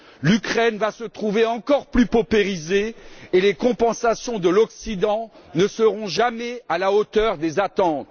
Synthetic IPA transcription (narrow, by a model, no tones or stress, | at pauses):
lykχɛnvasət̪χuveɑ̃kɔʁplypɔpeʁizeːlekɔ̃pɑ̃sasjɔ̃d̪əlɔksid̪ɑ̃nəsəʁɔ̃ʒamɛalaot̪œʁd̪ezat̪ɑ̃t̪